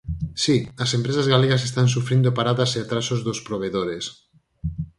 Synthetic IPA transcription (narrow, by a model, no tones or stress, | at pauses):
siasempɾesazɣaleɣas̬est̪ans̬ufɾind̪opaɾaðasiat̪ɾasozðospɾoβ̞eðoɾes